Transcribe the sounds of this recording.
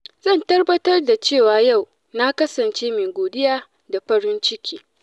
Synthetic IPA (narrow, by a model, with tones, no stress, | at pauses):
zɐ˦˨ntɐ˦rbɐ˦tɐ˦rda˨t͡ʃeː˦˨waː˨ja˦˨w | na˦kɐ˦sɐ˨nt͡ʃeː˦meː˨ɡʷoː˨dɪ˦jaː˦ | da˨ɸɐ˦ɽɪ˦nt͡ʃɪ˦kʲʰiː˦